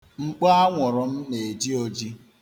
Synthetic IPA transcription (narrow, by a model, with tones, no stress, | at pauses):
ŋ͡m̩˦k͡pa˦a˦ŋʷʊ˨ɾʊ˨m̩˦ne˨d͡ʒi˦o˨d͡ʒi˦